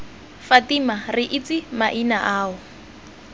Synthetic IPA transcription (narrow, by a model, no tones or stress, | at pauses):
fatimarɪʔit͡sɪmaʔinaʔaːʊ